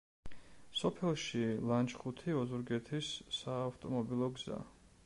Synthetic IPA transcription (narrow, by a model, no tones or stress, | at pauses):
sɔpʰɛlˠʃilˠant͡ʃχut̪ʰiɔzuɾɡɛt̪ʰisːaːft̪ʼɔmɔbilˠɔɡz̥a̰